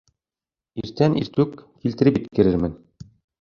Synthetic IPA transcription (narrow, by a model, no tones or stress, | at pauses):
iɾt̪ænḭɾt̪ʉkːilt̪ɘ̆ɾɘpit̪kɘ̆ɾɘɾmɘn